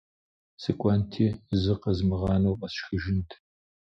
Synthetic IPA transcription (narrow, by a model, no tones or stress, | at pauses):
sɨkʷʼɐntʰiːzɨqɐzmɨʁɑːnowqɐɕxɨʒɪntʰ